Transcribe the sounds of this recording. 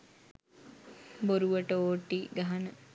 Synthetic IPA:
boɾuʋəʈəoːʈːiɡaɦanə

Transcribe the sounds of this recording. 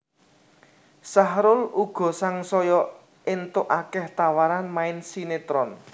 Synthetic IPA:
saɦɾʊluɡ̥ɔ̤saŋsɔjɔ | ʔɪnt̪ʊʔakɛht̪awaɾanmaɪnsinet̪ɾɔn

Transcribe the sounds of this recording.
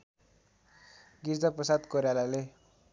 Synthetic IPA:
ɡird͡zʌprʌsad̪koɾjalale

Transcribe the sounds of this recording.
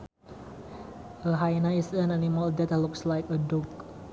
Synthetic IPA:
əɦajnaɪsə̃nanimaldɛt̪lukslajkədɔk̚

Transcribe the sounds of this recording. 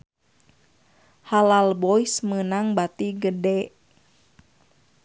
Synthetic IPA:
halalbɔismənaŋbat̪iɡədɛʔ

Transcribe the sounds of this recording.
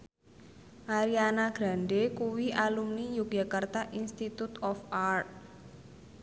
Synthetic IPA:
ʔaɾianaɡ̥ɾa̤ɳɖekuwiʔalumnijukja̤kart̪aʔinst̪it̪ut̪ɔfart̪̚

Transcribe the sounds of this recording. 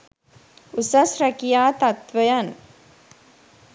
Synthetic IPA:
usɐsɾɐkijaːt̪ɐt̪ʋɐjɐn

